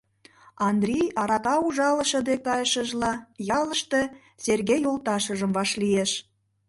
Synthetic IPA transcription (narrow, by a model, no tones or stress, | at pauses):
ɑnd̪rʲijɑɾɑkɑuʒɑləʃə̆d̪ekɑjəʃəʒlɑjɑləʃt̪e | serɣejolˠt̪ɑʃəʒəmvɑʃlieʃ